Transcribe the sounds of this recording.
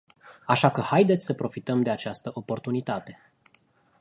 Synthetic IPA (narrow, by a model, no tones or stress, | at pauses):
aʃakəhajd̪et̪sʲsəpɾo̞fit̪əmd̪e̞at͡ʃast̪əʔo̞po̞rt̪unit̪at̪e̞